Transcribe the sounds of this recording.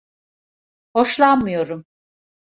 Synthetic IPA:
ho̞ʃlˠanmɯjo̞ɾum

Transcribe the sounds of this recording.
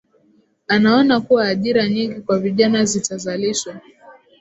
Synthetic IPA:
anaɔnakuwaːʄiɾaɲiŋɡikwaviʄanazitazaliʃwa

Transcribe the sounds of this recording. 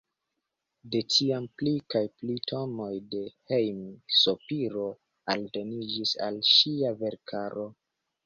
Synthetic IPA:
de̞tiamplikajplitʰo̞mo̞jde̞hejmsopiɾo̞ | a̰ldo̞nid͡ʒisa̰lʃiave̞ɾkʰaɾo̞

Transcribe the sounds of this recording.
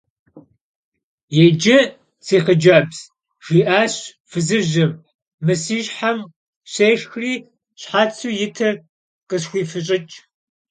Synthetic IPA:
jɛd͡ʒɪ | t͡sʰiːχəd͡ʒɐbz̥ | ʒ̥iːʔaːɕ | fɨzɨʒɐmː | ɨsiːʒħam | ɕeːʂxriː | ɕħaːt͡sʰuːjɪtʰɐr | qəɕxʷiːfɨɕʼɪt͡ʃʼ

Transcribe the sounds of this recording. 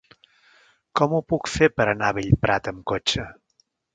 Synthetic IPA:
kɔmupukfepəɾənaβeʎpɾat̪əmkot͡ʃə

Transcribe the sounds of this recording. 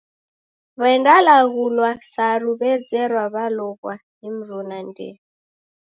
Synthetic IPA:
βaɛndalaɣulwasaɾuβɛzɛɾwaβalɔɣwanim̩ɾunandɛ̰

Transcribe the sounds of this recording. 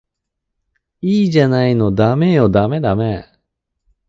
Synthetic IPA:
iːʑanaino̞d̪ame̞jo̞d̪ame̞d̪ame

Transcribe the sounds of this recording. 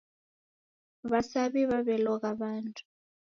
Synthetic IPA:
βasaβiβaβɛlɔɣaβaːntʰu̥

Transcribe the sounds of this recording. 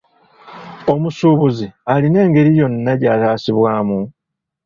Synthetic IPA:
o̞musuːβuzialine̞ːŋɡe̞ɾijo̞nːaɟaːtaːsiβwaːmu

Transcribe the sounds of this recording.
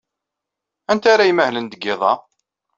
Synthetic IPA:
ænt̪aɾajməhlənd̪əɡːɪðˤɑ̰

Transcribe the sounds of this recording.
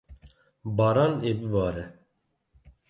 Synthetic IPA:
bɑːɾɑːneːbɨbɑːɾɛ

